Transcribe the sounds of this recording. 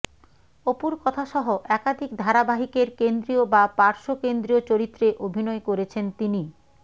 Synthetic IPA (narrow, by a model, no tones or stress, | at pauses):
opuɾkɔt̪ʰaʃɔɦoʔɛkad̪ʱikd̪ʱaɾabaɦikeɾkend̪ɾiobapaɾʃokend̪ɾiot͡ɕoɾit̪ːɾeʔobʱinɔekoɾet͡ɕʰent̪ini